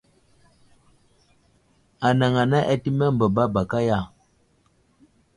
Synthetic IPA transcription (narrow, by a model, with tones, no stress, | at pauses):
a˨na˨ŋa˨na˦ʔɛ˦ti˦mɛ˦m̩˨bə˨ba˦ba˨ka˦ja˦˨